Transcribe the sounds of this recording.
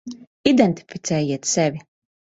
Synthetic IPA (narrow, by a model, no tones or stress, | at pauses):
id̪ɛnt̪i̥fi̥t̪sɛːjiɛt̪sɛvʲi